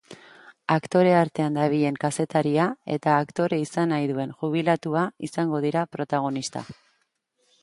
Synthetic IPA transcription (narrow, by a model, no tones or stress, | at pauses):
akt̪o̞ɾe̞aɾt̪e̞and̪aβ̞iʎe̞ŋkase̞t̪aɾiae̞̰t̪aːkt̪o̞ɾe̞isanajðue̞nxuβ̞ilat̪uaisaŋɡo̞ð̞iɾapɾo̞t̪aɣ̞o̞nist̪a̰